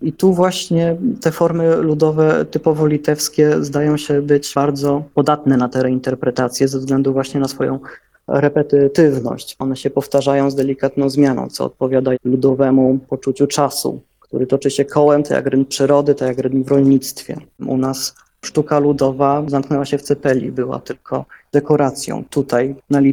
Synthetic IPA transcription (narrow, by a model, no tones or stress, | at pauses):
it̪uvwaɕɲɛt̪ɛfɔɾmɘlud̪ɔvɛt̪ɘpɔvɔlʲit̪ɛfskʲɛzd̪ajɔ̃w̃ɕɛbɘt͡ɕbaɾd̪zɔpɔd̪at̪nɛnat̪ɛɾɛint̪ɛɾpɾɛt̪at̪sʲjɛzɛvzɡlɛnd̪uvwaɕɲɛnasfɔjɔ̰̃w̃ | ɾɛpɛt̪t̪ɘvnɔ̰ɕt͡ɕɔnɛɕɛpɔft̪aʐajɔ̃w̃zd̪ɛlʲikat̪nɔ̃w̃zmʲjanɔ̰̃w̃t̪sɔ̰ɔ̰t̪̚pɔvʲjad̪alud̪ɔvɛmupɔt͡ʂut͡ɕut͡ʂasṵ | kt̪uɾɘt̪ɔt͡ʂɘɕɛkʰɔwɛmt̪aja̰kɾɘnpʂɘɾɔd̪ɘt̪ajakɾɘnvɾɔlɲit̪st̪fʲjɛ̰ʔṵnas | ʂt̪ukalud̪ɔvazamknɛwaɕɛft̪sɛpɛlʲḭbɘwa̰t̪ɘlkʰɔd̪̥ɛkɔɾat̪sʲjɔ̰̃w̃t̪ut̪ʰajnalʲi